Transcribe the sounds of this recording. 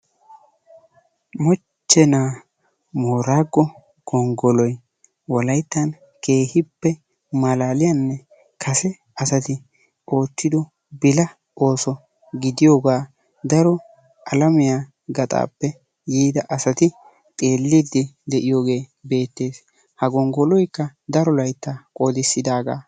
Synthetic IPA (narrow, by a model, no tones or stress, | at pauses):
mɔ | t͡ʃːɛnaː | mo̞ːɾaːɡːɔ | ɡ̥ɔŋɡɔlɔj | wɔlɐjt̪ːɐn | kʰe̞ːhɪpːɛ | mɐlaːlɪjanːɛ | kʰɐsɛ | ɐsɐt̪ɪ | o̞ːt̪ːɪd̪ɔ | bɪlɐ | o̞ːsɔ | ɡɪd̪ɪjoːɡaː | d̪ɐɾɔ | ʔɐlɐmɪjaː | ɡɐt̪ʼa̰ːpːɛ | jiːd̪ɐʔɐsɐt̪ɪ | t̪ʼe̞ːlːɪd̪ɪd̪ɛʔɪjo̞ːɡe̞ːbe̞ːt̪ːe̞ːs | hɐɡɔŋɡɔlɔjkːɐd̪ɐɾɔlɐjt̪ːakʼod̪ɪsːɪd̪aːɡa̰ː